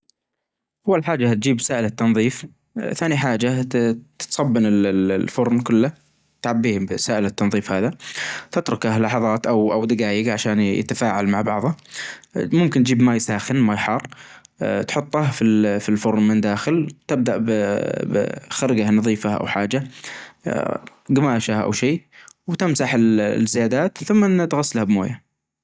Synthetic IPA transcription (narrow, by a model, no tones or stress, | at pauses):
ʔawːalħaːd͡ʒːat̪̚d͡ʒiːbsaːʔɪlat̪ːɑnðˤiːf | θaːniħaːd͡ʒat̪t̪sˤɑbːɪnɪlfʊɾnkʊlːa | t̪ʕabːiːhbsaːʔɪlat̪ːɑnðˤiːfhaːðat̪ɪt̪ɾʊkahlɑħɑðˤɑːt̪ʔawʔawd̪ɪɡaːjɪɡʕaʃaːnjɪ̰t̪afaːʕalmaʕbɑʕðˤɑ | mʊmkɪnt̪d͡ʒiːbmajsaːxɪnmajħɑrˤ | t̪ħʊt̪ˤːɑhfifilfʊɾˤmɪnd̪aːxɪlt̪ɪb̚d̪aʔbbxaɾˤɡanɑðˤiːfaʔa̰wħaːd͡ʒa | ɡamaːʃaʔa̰wʃiːwt̪ɪmsaħɪlzːɪjaːd̪aːt̪θʊmːnt̪ɣasːalhabmo̰ːja